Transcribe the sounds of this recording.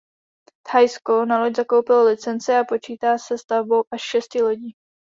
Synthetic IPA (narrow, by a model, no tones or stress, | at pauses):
t̪hajskonaloczako̞wpɪlolɪt͡sɛnt͡sɪapo̞t͡ʃiːt̪aːsɛst̪avbo̞wʔaʃʃɛscɪloɟiː